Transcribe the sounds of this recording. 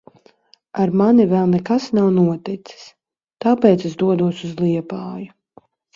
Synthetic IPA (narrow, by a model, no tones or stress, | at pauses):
aɾmanivɛlˠnɛkasnawnuɔt̪it̪si̥s | t̪aːpɛːt̪sɛzd̪uɔd̪uɔsuzlˠiɛpaːju